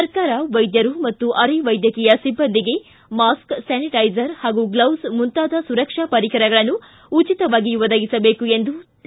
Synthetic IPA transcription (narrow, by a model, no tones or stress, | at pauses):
sɐɾkaːɾɐʋɐjd̪jɐɾumɐt̪ːuʔɐɾiʋɐjd̪jɐkɛːjɐsibːɐnd̪iɡe̞ | maːsksɛːniʈɐjzɐɾhaːɡuɡlɐwsmunt̪aːd̪ɐsuɾɐkʂapɐɾikʰɐɾɐɡɐɭɐnːuː | t͡ʃit̪ɐʋaːɡiʋɐd̪ɐɡisɐbe̞ːkuend̪u